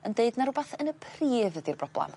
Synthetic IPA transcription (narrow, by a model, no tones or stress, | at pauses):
əndeɨdnaɾʊbaθənəpʰriːvəðirbrɔblˠɛ̰m